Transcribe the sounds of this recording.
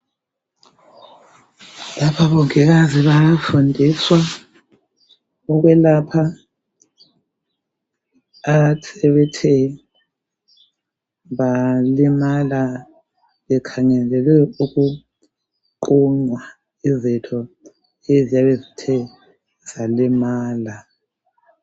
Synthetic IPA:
lapʰaβɔŋɛɣaziβafundʱiswa | ɔɣwɛlapʰa | atʰɛβɛtʰɛ | βalimala | βɛkʰaŋɛlɛlwɛuɣu | ǃuŋ͡ǀwa | izitʰɔ | ezijaβezitʰɛ | z̥alimaːla

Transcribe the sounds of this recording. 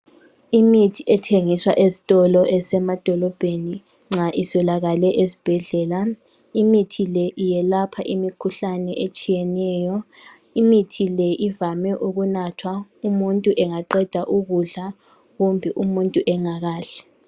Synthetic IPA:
imitʰiʔɛtʰeŋiswa̰ʔezi̥tʼɔlɔʔɛsɛmad̥ʱɔlɔb̥ʱeni | ŋ͡ǁaʔisɔlaɣalɛʔesi̥b̥ʱɛɮɛːla | imitʰilɛʔijɛlapʰaʔimikʰuɬanɛʔet͡ʃʼijɛnɛːjɔ | imitʰilɛʔivamɛʔuɣunatʰwaumuntʼuʔɛŋaǃɛd̥ʱaʔuɣuɮa | ɣumbʱiʔumuntʼuʔɛŋaɣaːɬɛ̥

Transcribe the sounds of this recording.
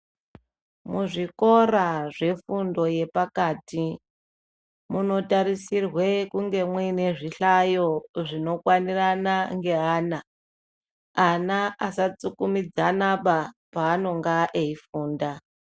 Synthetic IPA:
muʐiko̞raʐe̞fundo̞je̞pakaːti | muno̞taɾisirwe̞kuŋɡe̞mwine̞ʐiɬajo̞ʐino̞kwaniranaŋɡe̞ɦaːna | anaʔasat͡sukumid͡zanaɓapaːno̞ŋɡaʔeifuːnda

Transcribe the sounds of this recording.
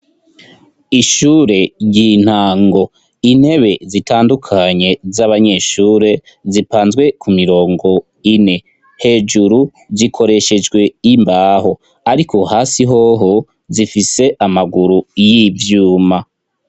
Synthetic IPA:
iʃuːɾe̞ɟin̥haːŋɡo̞ | in̥he̞βe̞zitaːndukʰaɲe̞zaβaɲe̞ʃuːɾe̞ | zipaːnzɡwe̞kʰumiɾo̞ːŋɡo̞ | ine̞ | he̞d͡ʒuɾu | zikʰo̞ɾe̞ʃe̞d͡ʒɡwe̞imbaːɦo̞ | aɾikʰo̞haːsiɦo̞ɦo | zifise̞ʔamaɡuɾujivjuːma

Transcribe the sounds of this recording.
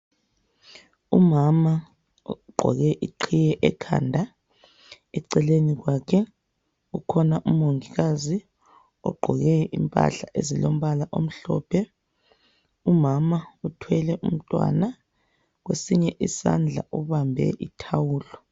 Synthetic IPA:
umama | ɡ͡ǃʱɔ̰ɣɛʔiǃʰijɛʔɛkʰa̰ːndʱa | ɛǀɛleniɣ̬wakʰɛ | ukʰɔnaʔumoŋiɣazi | ɔ̰ɡ͡ǃʱɔɣɛimpʼa̰ɬaʔezilom̩βalaʔom̩ɬɔ̰pʰɛ | umamautʰwɛlɛʔum̩tʼwa̰na | ɣ̬wesiɲɛʔisa̰nd͡ɮʱa̰ʔuβambʱɛ̰ʔitʰawuːlɔ

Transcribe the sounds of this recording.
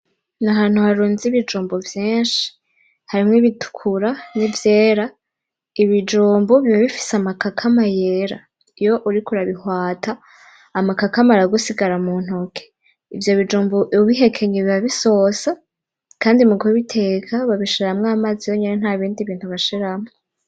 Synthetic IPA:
naɦaːn̥huhaɾuːnziβid͡ʒuːmbovjiːnʃi̥ | haɾimŋiβitʰu̥kʰuɾanivjeːɾa | iβid͡ʒuːmboβiβaβifi̥samakakʰamajeɾa̰ | ijo̞ʔuɾikuɾaβihwaːtʰaː | makakamaɾaɡusiɡaɾamun̥hokʰe̥ | ivjo̞βid͡ʒuːmboʔβiɦe̞kʰe̞ɲeβiβaβiso̞sa | kaːndimuɡuβitʰe̞kʰaβaβiʃiɾamŋamazijoɲenen̥haːβiːndiβiːntuβaʃiɾamŋo

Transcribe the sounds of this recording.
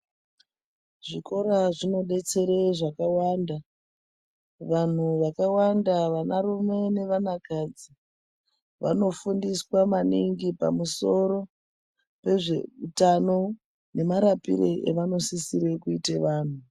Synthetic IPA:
ʐiko̞ɾaʐino̞ɗe̞t͡se̞ɾeʐakawanda | ʋan̤uʋakawandaʋanaɾume̞ne̞ʋanakad͡zi | ʋa̰no̞fundiswamaniŋɡipa̰muso̞ro̞ | pe̞ʐeutano̞ | ne̞maɾapḭɾḛʔḛʋano̞sisiɾekuiteʋaːn̤u

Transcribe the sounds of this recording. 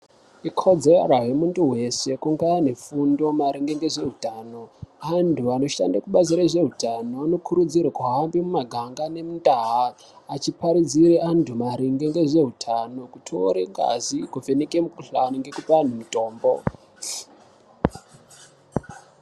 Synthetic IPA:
ikʰod͡zeraɦemuntuwe̞se̞kuŋɡaanefundo̞maɾiŋɡe̞ŋɡe̞ʐe̞ɦutaːno̞antʰuano̞ʃa̰ndakuɓaziɾaʐe̞ɦutanoano̞kʰuɾud͡zirwakuɦambimumaɡʱaŋɡane̞mundaɦaː | t͡ʃipaɾid͡ziɾeantʰumaɾiŋɡe̞ŋɡe̞ʐe̞ɦutʰano̞kutʰoɾeŋɡa̰zikuvenikemukuɬaniŋɡe̞kupanemito̞ːmbo̰

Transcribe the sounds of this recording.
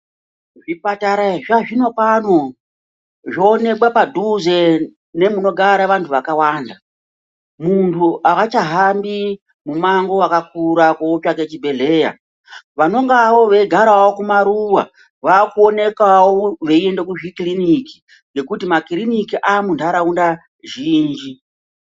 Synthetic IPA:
ʐipataɾaʐaʐino̞pano̞ | ʐoːne̞kwapadʱuze̞ | ne̞muno̞ɡʱaɾaʋantʰuʋakawaːnda | muntʰuʔakat͡ʃaɦambi | mumaŋɡo̞akakuɾakoːpake̞t͡ʃibʱe̞ɮe̞ːja̰ | ʋano̞ŋɡawo̞ʋe̞ɡʱaɾawokumaɾuwa̰ | ʋakuone̞kawoʋe̞ie̞ndekuʐikiliniki̥ | ŋɡe̞kutimakilinikiʔamundaɾaunda | ʒiːnd͡ʒi

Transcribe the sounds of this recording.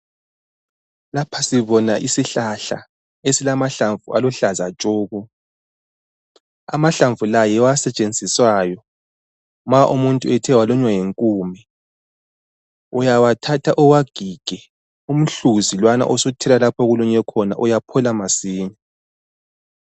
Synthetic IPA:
lapʰasiβɔnaʔisiɬaɬa̰ | esilamaɬaɱvuʔa̰lɔɬazat͡ʃʼoːɣu | a̰maɬaɱvulajɛwasɛt͡ʃʼend͡zʱiswaːjɔ | maʔumuntʼuɛtʰɛwalɔɲwajeŋkʼuːmɛ | ɔjawatʰatʰaʔɔwaɡ̥ʱiɡ̥ʱɛ | um̩ɬuzilwana̰ʔɔsutʰɛlalapʰɔɣuluɲɛkʰɔna̰ʔɔjapʰɔlamasiːɲɛ

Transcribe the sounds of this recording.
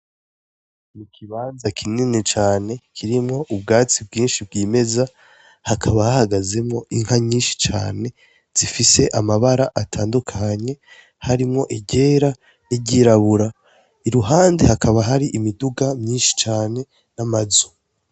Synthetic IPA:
nikʰiβaːnzakʰininit͡ʃaːne̞kʰiɾimŋo̞ʔub̚ɡaːt͡sibɡiːnʃib̚ɡiːme̞za | hakʰaβahahaɡaze̞mŋo̞ʔiŋ̥haɲiːnʃi̥t͡ʃa̰ːne̞ | z̥ifise̞ʔamaβaɾaʔatʰaːndukʰaɲe̞ | haɾimŋo̞ʔiɟe̞ːɾa | niɟiɾaβuɾa | iɾuɦaːndehakʰaβaɦaɾiʔimiduɡamɲiːnʃi̥t͡ʃaːne̞ | namazu

